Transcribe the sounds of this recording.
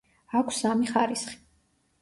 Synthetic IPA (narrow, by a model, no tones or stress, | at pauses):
akʷʰsamiχaɾisχi̥